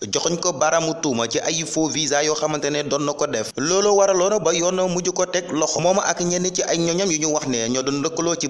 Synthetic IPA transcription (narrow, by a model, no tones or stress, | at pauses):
ɟɔxɔɲkɔbaɾɐmutuːmɐciʔajifoviːzajɔxɐmɐntɛnɛdɔnːɔkɔdɛflɔːlowaɾɐlɔːnɔbɐjɔːnɔmuɟukɔtɛklɔxɔmɔːmɐʔakɲɛnːiciʔajɲɔɲɐmjuɲuwɐxnɛɲɔdundəkːəlɔːci